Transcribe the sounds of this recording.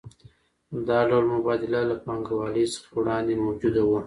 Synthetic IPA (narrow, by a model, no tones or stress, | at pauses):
d̪ɑɖawlmʊbɑd̪ɪlalapɑŋɡawɑləjsə̥xawɽɑnd̪emawd͡ʒud̪awu